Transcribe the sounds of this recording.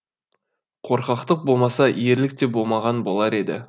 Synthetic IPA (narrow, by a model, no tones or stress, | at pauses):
qʰo̞ɾqɑqt̪əq̚bo̞lˠmɑsɑije̞ɾlɪk̚t̪e̞bo̞lˠmɑʁɑnbo̞lˠɑɾe̞d̪ɪ̰